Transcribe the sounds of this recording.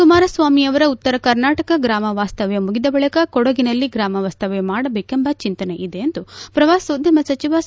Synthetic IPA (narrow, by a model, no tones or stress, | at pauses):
kumaːɾɐsʋaːmiɐʋɐɾɐut̪ːɐɾɐkɐɾnaːʈɐkɐɡɾaːmɐʋaːst̪ɐʋjemuɡid̪ɐbɐɭikɐkɔɽɐɡinɐlːiɡɾaːmɐʋaːst̪ɐʋemaːɽɐbeːkembɐt͡ʃint̪ɐneʔid̪eːnd̪upɾɐʋaːsoːd̪ʱjɐmɐsɐt͡ʃiʋɐ